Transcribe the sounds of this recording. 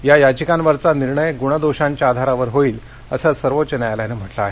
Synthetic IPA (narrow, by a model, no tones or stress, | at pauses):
jajad͡ʑəkanʋəɾt͡saniɾɳəjɡuɳ̃əd̪oɕãɲt͡ɕjaːd̪ʱaɾaʋəɾɦoiːl | əsəsəɾʋot͡ɕənajaljanem̤əʈlaːɦe